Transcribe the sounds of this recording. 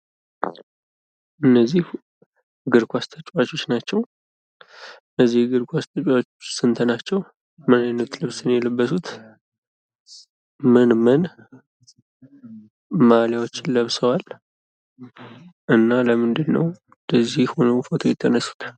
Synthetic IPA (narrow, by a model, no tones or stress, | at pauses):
ʔɨnːəzːih | ɡɨɾkʰʷast̪ʰət͡ʃʼwat͡ʃːo̞t͡ʃːnat͡ʃːɛw | ɨnəzːihɡɨɾkʰʷast̪ʰət͡ʃʼwat͡ʃːot͡ʃsɨnt̪ʰənat͡ʃːɛw | mɨnajnət̪lɨβsɨnjɛlɨbːəsut̪ʰ | mɨnmən | maljawot͡ʃːɪnləβsəwal | ʔɨnːaləmɨnd̪ɨnːə̰w | d̪əzːihho̞nəwfo̞t̪ʰo̞jɪt̪ʰːənəsːu̥t̪ʰ